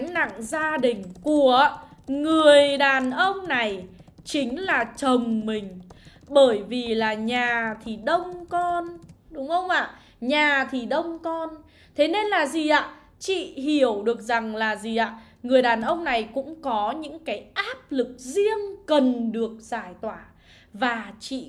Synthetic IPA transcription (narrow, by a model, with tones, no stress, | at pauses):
ŋna̰˧˨ŋzaː˧ɗï˨˩ŋ̟ku˧˩əŋɨ˨˩əjɗaː˨˩nʔə˧wŋ͡mna˨˩jt͡ɕï˨˦ŋ̟laː˨˩t͡ɕə˨˩ŋ͡mmï˨˩ŋ̟ | ɓəː˧˩jvi˨˩laː˨˩ɲaː˨˩t̪ʰi˨˩ɗə˧wŋ͡mkɔ˧nɗʊ˨˦wŋ͡mhə˧wŋ͡mʔa̰ː˧˨ | ɲaː˨˩t̪ʰi˨˩ɗə˧wŋ͡mkɔ˧n | t̪ʰe˨˦ne˧nlaː˨˩zi˨˩ʔa̰ː˧˨ | t͡ɕḭ˧˨ɦi˧˩əwɗɨ˨˩ək̚za˨˩ŋlaː˨˩zi˨˩ʔaː˧˨ | ŋɨ˨˩əjɗaː˨˩nʔə˧wŋ͡mna˨˩jkʊ̰˧˥ŋ͡mkɔ˨˦ɲɨ̰˧˥ŋkaː˨˦jʔaː˦˥p̚lɨ˨˩k̚zi˧əŋkə˨˩nɗɨ˨˩ək̚z̥aː˧˩jt̪waː˧˩ | vaː˨˩t͡ɕḭ˧˨